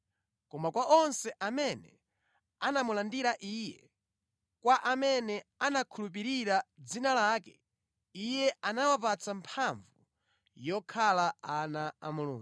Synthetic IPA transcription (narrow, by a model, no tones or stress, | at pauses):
kɔmakwaʔɔnsɛʔamɛnɛ̰ | anamulandiɾaʔiːjɛ̰ | kwaʔamɛnɛanakʰulup̬iɾiɾad͡zinalaːkɛ | ijɛanawapat͡sampʰaɱvu | jɔkʰalaanaa̰mulṵːŋɡu